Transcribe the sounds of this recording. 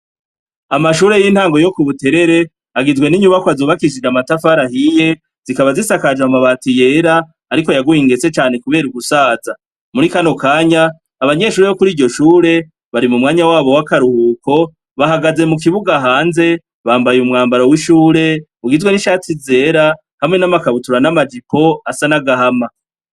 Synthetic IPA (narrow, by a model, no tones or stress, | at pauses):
amaʃuːɾe̞jin̥haːŋɡo̞jo̞kuβute̞ɾe̞ɾe̞ | aɡizwe̞niɲuβakoazoβakid͡ʒiɾamatafaɾaɦije̞ | z̥ikaβazisakad͡ʒamaβaːtije̞ːɾaː | ɾiko̞jaɡujiŋɡe̞t͡se̞t͡ʃaːne̞kuβe̞ːɾuɡusaːza | muɾikano̞kaːɲaː | βaɲe̞ʃuːɾeβo̞kuɾiːɟo̞ʃuːɾe̞ | βaɾimumŋaːɲawaːβo̞wakaɾuhuːko̞ | βaɦaɡaze̞muk̬iβuɡaɦaːnze̞ | βaːmbajumŋaːmbaɾowiʃuːɾe̞ | uɡizɡweniʃaːt͡size̞ːɾa | hamŋe̞namakaβutuɾanamad͡ʒipʰo̞asanaɡaɦama